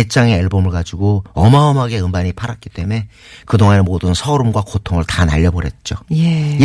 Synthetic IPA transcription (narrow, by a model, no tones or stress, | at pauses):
et͡ɕ͈aŋe̞ːɭbomɯɭkad͡ʑuɡoʌmaʌmɦaɡe̞ɯmbaɲipʰaɾat̚k͈i̥t͈e̞me̞ | kɯdoŋanemodɯnsʰʌɾumɡwakotʰoŋɯɭtana̰ʎːʌboɾɦe̞t̚t͡ɕ͈oe